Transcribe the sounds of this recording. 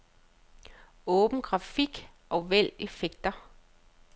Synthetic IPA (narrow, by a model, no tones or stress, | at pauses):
ɔ̽ːb̥n̩ɡ̥ʁɑ̈fiɡ̥ʔɒ̽ʋel̰e̝feɡ̥̚d̥ɐ